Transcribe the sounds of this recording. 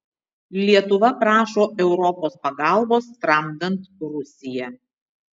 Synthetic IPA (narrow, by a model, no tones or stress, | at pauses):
lʲiɛt̪ʊʋɐpɾɑːʃoːʔɛʊɾɔpoːspɐɡɑˑlˠboːst̪ɾɐmd̪ɐnt̪ɾʊsʲɪjɛ